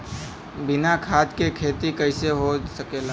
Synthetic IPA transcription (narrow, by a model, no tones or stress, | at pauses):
bɪnakʰaːt̪kekʰeːt̪ikəɪseɦosɐkeːla